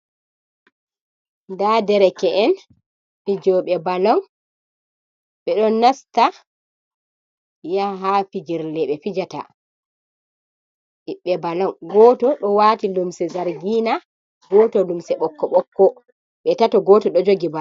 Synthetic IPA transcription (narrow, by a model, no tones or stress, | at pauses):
ndadɛɾɛkɛʔɛn | fid͡ʒɔɓɛbalɔn | ɓɛɗɔnːasta | jaɦafid͡ʒiɾlɛɓɛfid͡ʒata̰ | iɓːɛbalɔŋɡɔtɔɗɔwaːtilumsɛzaɾɡina | ɡɔːtɔlumsɛɓɔkːɔɓɔkːɔ | ɓɛtatɔɡɔtɔɗɔd͡ʒoɡiba